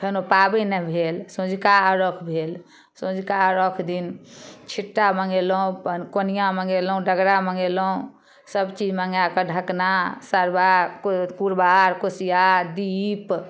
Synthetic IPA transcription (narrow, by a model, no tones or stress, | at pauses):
pʰenopabɛnɛbʱelsõd͡ʒʱkaəɾɔkʰbʱel | sõd͡ʒʱkaəɾəkʰd̪int͡ʃʰiʈːaməŋɡelũpənkonijaməŋɡelũɖəɡɾaməŋɡelũ | səbt͡ʃid͡ʒmaŋɡjakəɖʱəknasəɾbakpuɾbaɾkosijad̪ip